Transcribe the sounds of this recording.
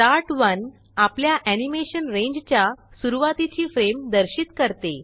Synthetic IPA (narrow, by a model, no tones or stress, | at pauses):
ʈaɾʈʋən | apljaʔænimeɕənɾẽɲd͡ʑt͡ɕjasuɾuʋat̪it͡ɕiːfɾemd̪əɾɕit̪kəɾt̪e